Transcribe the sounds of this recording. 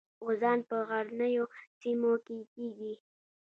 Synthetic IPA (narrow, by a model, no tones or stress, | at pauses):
ɣozɑnpəɣaɾnəjosimokekeɡi